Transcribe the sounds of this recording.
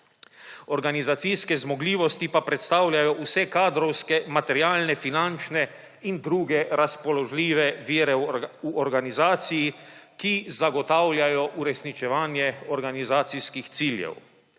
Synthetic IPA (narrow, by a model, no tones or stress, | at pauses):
ɔɾɡanizat̪siskɛzmɔɡliːʋɔst̪ipapɾɛt̪st̪aːwlʲjajɔʔusɛkaːd̪ɾɔwskɛmat̪ɛɾjaːlnɛfinant͡ʃnɛ | ind̪ɾuːɡɛɾaspɔlɔʒlʲiːʋɛʋiːɾɛuɔɾɡanizaːt̪sijikizaɡɔt̪aːwlʲjajɔʔuɾɛsnit͡ʃɛʋaːnjɛɔɾɡanizaːt̪sijskixt̪siːljɛ̰w